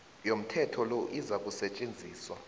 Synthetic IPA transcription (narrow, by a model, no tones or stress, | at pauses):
jom̩tʰɛtʰɔloʔizak̬ʼusɛt͡ʃʼend͡zʱiːswa